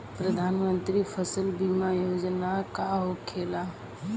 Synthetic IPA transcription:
pɾəd̪ʱaːnmə̃nt̪ɾifʰəsəlbimajoːd͡ʒnakaɦokʰeːla

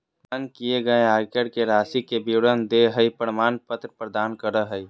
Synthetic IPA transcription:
mankieɡəeakəɽkeɾaːsikebiwɽənd̪eɦəipəɽmaːnpət̪ɾpɾəd̪aːnkəɾəɦəi

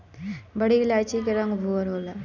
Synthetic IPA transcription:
bəɽilajt͡ʃikeɾə̃ŋɡbʱuəɾola

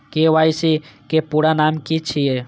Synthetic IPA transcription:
keʋaːisikepuɽanaːmkit͡ʃʰije

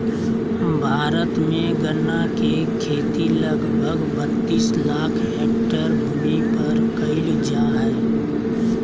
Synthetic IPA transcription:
bʱaːɾət̪mẽɡənːake | kʰeːt̪iləɡbʱəɡbət̪ːiːslaːkʰɦeːk̚ʈəɾbʱʊmipɐɾkəɪld͡ʒaːɦɛː

